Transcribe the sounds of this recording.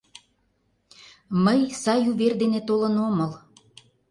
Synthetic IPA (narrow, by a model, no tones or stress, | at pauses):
məjsɑjuβerd̪enet̪olənoməl